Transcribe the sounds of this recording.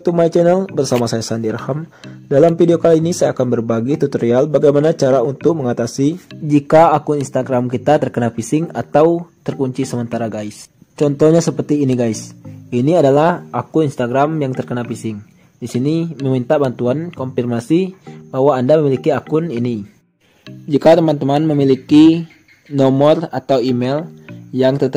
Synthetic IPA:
t̪umait͡ʃɛnɛlbərsamasaasandirhamdalamfideokaliinisajakanbərbaɡit̪ut̪oɾialbaɡajmanat͡ʃaɾaunt̪ʊk̚məŋat̪asid͡ʒikaakʊninst̪aɡɾamkit̪at̪ərkənapisɪŋa̰t̪awt̪ərkuɲt͡ʃisəmənt̪aɾaɡaɪs | t͡ʃɔnt̪ɔhɲasəpərt̪iːniɡaisiniadalahakʊninst̪aɡɾamjaŋt̪ərkənapisɪŋ | disiniməmint̪abant̪uankɔmpirmasibaɦwaːndaməmilikiakʊnini | d͡ʒikat̪əmant̪əmanməmiliki | nɔmɔrat̪awimɛljaŋt̪ət̪

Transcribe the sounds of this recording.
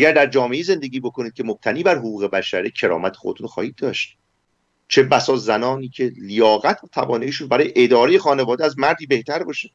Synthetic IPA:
ʔæɡæɾd̪æɾd͡ʒɒːme̞ʔize̞nd̪e̞ɟʲiːbo̞kʰo̞niːd̪̚cʰemob̚t̪ʰæniːbæɾɦoɣuːɣe̞bæʃæɾecʰe̞ɾɒ̰ːmæt̪ʰexo̞d̪et̪unoxɒ̰ːhiːd̪̚d̪ːɒːʃt̪̚ | t͡ʃʰebæsɒːzænɒːniːcʰe̞lijɒːɣæt̪ʰt̪ʰævɒːneiːʃunbæɾɒːjeʔed̪ɒːɾejexɒːne̞vɒːd̪eæzmæɾd̪iːbe̞ht̪ʰæɾbɒːʃe

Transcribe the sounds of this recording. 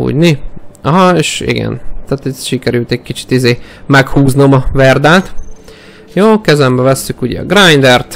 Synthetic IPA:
ṵːɟniɒɦɒeːʃḭɡɛ̰nt̪aːt̪ɛʃikɛɾylt̪ɛɟ̚kit͡ʃi̥t̪izeːmɛkhuːznomɒvɛrd̪aːt̪ | joːkɛzɛmbɛvɛsːykuɟɛ̰ɒ̰ɡrajnd̪ɛrt̪

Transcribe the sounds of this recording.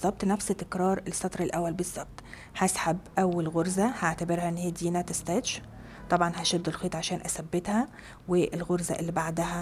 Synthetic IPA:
zˤːɑb̚t̪næfst̪ːekɾˤɑːɾˤelsːɑt̪ˤɾˤɑlʔæwːælbezˤːɑb̚t̪ˤ | hæsħabʔæwːælɣoɾzæhaʕt̪æbeɾhæʔenːhiːd̪iːnæt̪ɪst̪æːt̪ʃ | t̪ˤɑbʕɑnhæʃod̪ːelxiːt̪ˤʕaʃæːnʔæsæbːet̪hæ | weʔelɣoɾzæʔelːibaʕd̪æhæ

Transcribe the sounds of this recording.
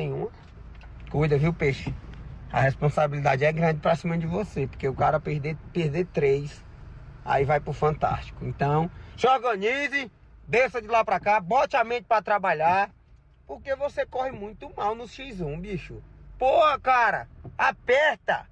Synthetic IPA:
ẽj̃ũmɐ | kujd̪ɐviwpeʃɪɐ̰hespõsabilid̪a̰d͡ʒɪɛɡɾɐ̃d͡ʒɪpɾɐsĩmɐd͡ʒɪvosepoɾkeʊkaɾɐped̪epeɾd̪et̪ɾejs | a̰ivajpʊfɐ̃nt̪a̰st͡ʃi̥kʊḛ̃nt̪ɐ̃w̃ʒɔɾɡɐ̃nizɪ | d̪esɐd͡ʒɪlapɾɐkabɔ̃t͡ʃamẽt͡ʃ̪ɪ̥pɾɐt̪ɾabaʎa | poɾkevosekɔhɪmũj̃t̪ʊmawnʊsʃizũbiʃʊpohɐkaɾɐ̰apɛɾt̪ɐ

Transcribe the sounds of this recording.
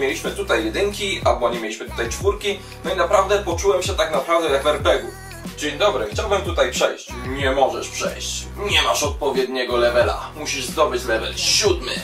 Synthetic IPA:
mʲjelʲiɕmɘt̪ut̪ajːɛd̪ɘŋkʲialbɔɲɛmʲjelʲiɕmɘt̪u̥t̪ajt͡ʂfuɾkʲi | nɔinapɾavd̪ɛpɔt͡ʂuwɛmɕɛt̪aknapɾavd̪ɛjaɡvɛɾpɛɡu | d͡ʑeɲd̪ɔbɾɘxt͡ɕawbɘmt̪ut̪ajpʂɛjɕt͡ɕɲɛmɔʐɛ̰ʂpʂɛ̰jɕt͡ɕɲɛmaʂɔt̪̚pɔvʲjɛd̪ɲɛɡɔlɛvɛla̰muɕiʐzd̪ɔbɘt͡ɕlɛvɛ̰lɕud̪mɘ̰

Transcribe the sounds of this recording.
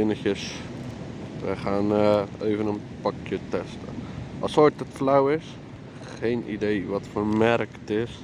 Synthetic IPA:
ɪnəxjəs | ʋə̰χaːneːvənən | pɑkjətɛstə̰ʔɑsojtətflawɪs | xeːnʔḭdejʋɔtfəmɛrktɪs

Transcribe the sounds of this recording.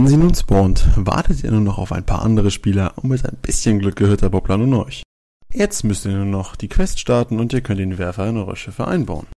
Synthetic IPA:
vɛnziːnuːnspɔːntva̰ɐtʰətiːɐnuːnɔχa̰ʊfaɪnpʰa̰ːɐʔandəʁəʃpiːlɐʔʊntmɪtaɪnb̥ɪsçənɡlʏk̚ɡ̥əhøɐtʰabɔplanuːnɔ̰ʏç | jɛt͡stmʏstiːɐnuːnɔχd̥iːkʰv̥ɛstʃtaɐtn̩ʊntiːɐkʰœntd̥eːnvɛɐfɐɪnʔɔʏʁɐ̰ʃɛfəʔa̰ɪnba̰ʊn

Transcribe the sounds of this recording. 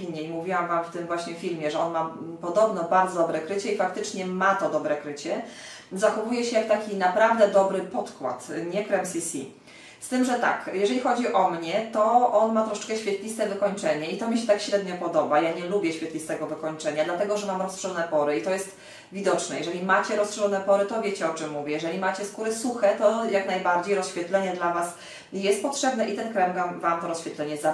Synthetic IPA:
iɲːɛimuvʲiwamvamft̪ɘmvwaɕɲɛfʲilmʲjɛʐɛɔnmapɔd̪ɔbnɔbaɾd̪zɔd̪ɔbɾɛkɾɘt͡ɕɛifakt̪ɘt͡ʂɲɛmat̪ɔd̪ɔbɾɛkɾɘt͡ɕɛ | zaxɔvujɛɕɛjakt̪akʲinapɾavd̪ɛd̪ɔbɾɘpɔt̪kwa̰t̪ɲɛkɾɛmsʲisʲi | st̪ɘmʐɛt̪a̰kjɛʐɛlʲixɔd͡ʑiʔɔmɲɛt̪ɔʔɔnmat̪ɾɔʂɛ̥t͡ʂkɛɕfʲjɛt̪lʲist̪ɛvɘkɔɲt͡ʂɛɲɛit̪ɔmʲiɕ̬ɛt̪akɕɾɛd̪ɲɔpɔd̪ɔbajaɲɛlubʲjɛɕfʲjɛt̪lʲist̪ɛɡɔvɘkɔɲt͡ʂɛɲad̪lat̪ɛɡɔʐɛmamɾɔstʂɛɔnɛpɔɾɘit̪ɔjɛst̪ | vʲid̪ɔt͡ʂnɛjɛʐɛlʲimat͡ɕɛɾɔstʂɛlɔnɛpɔɾɘt̪ɔvʲjet͡ɕɛɔt͡ʂɛmːuvʲjɛjɛʐɛlʲimat͡ɕɛskuɾɘsuxɛt̪ɔjaknajbaɾd͡ʑejɾɔsɕfʲjɛt̪lɛɲɛd̪lavas | jɛst̪̚pɔtʂɛbnɛʔit̪ɛnkɾɛmɡamvamt̪ɔɾɔsɕfʲjɛt̪lɛɲɛza

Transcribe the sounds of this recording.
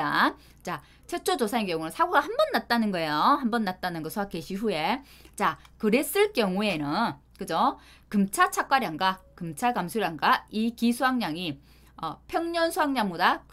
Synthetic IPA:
a | t͡ɕa | t͡ɕʰet͡ɕʰod͡ʑosʰaekjʌŋunɯnsʰaɡoɡahambʌnːat̚t͈anɯnɡʌe̞joambʌnːat̚t͈anɯnɡɯsʰoake̞ɕʰiɸue̞ | t͡ɕakɯɾe̞s͈ɯɭk͈jʌŋue̞nɯn | kɯd͡ʑo | kɯmt͡ɕʰat͡ɕʰak͈aɾjaŋɡakɯmt͡ɕʰaɡamsʰoɾjaŋɡaikisʰuɦaŋɲaŋi | ʌpʰjʌŋɲʌnsʰuɦaŋɲaŋbodak

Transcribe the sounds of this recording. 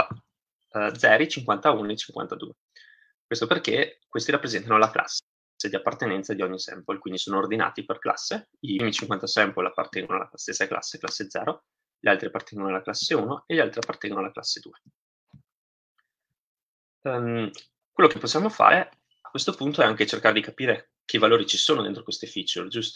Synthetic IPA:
d̪zɛːɾit͡ʃiŋkwant̪auːnoet͡ʃiŋkwa̰nt̪ad̪ṵːe | kwest̪operkekwest̪iɾapːɾezɛnt̪anolaklʔa̰sːe | sed̪iapːart̪enɛnt̪sad̪iɔɲːisɛ̰mpolkwind̪isoːnoːrd̪ina̰ːt̪iperkla̰sːe | imit͡ʃiŋkwant̪asɛmpolapːa̰rt̪ɛŋɡonoala̰ast̪esːakla̰sːekla̰sːed̪zɛ̰ːɾo | ʎialt̪ɾiapːart̪ʰɛŋɡonoalaklasːeuːnoeʎialt̪ɾiapːart̪ɛŋɡonoalaklasːed̪uːe | m | kwelːokepːosːjaːmofa̰ːɾʔe | akːwest̪opunt̪oɛaŋket͡ʃerkaːɾed̪ikapiːɾe | k̟ʰevaloːɾit͡ʃisoːnodḛnt̪ɾokwest̪efit͡ʃuld͡ʒust̪

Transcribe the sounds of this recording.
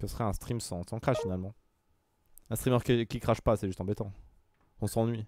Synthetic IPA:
kəsəχɛɛ̃st̪χimsɑ̃sɑ̃kχaʃfinalmɑ̃ | ɛ̃st̪χimœʁkʲikʲikχaʃpasɛʒyst̪ɑ̃bɛt̪ɑ̃ | ɔ̃sɑ̃nɥi

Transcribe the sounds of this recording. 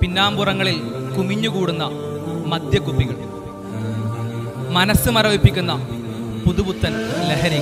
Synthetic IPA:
pinːaːmburɐŋːɐɭilkumiɲːukuːɽunːɐ | mɐd̪jɐkːupːiɣɐɭ | mɐnɐsːɨmɐɾɐʋipːikʲːunːɐ | puðubut̪ːɐnleɦɐɾi

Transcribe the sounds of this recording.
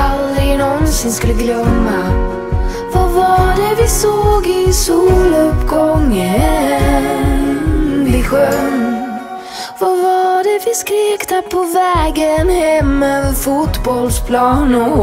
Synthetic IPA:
ald̪ɾɪnɔnsɪnskɵlːəɡlœmːa | vavɑɖɛvɪsoːɡɪsːlɵpːɡɔŋːə | blɪɧœn | vavaɖɛvɪskɾeːkt̪əpʰɔvɛːɡənhɛmːøvəɾfuːt̪bɔlspʰlɑːnʊ

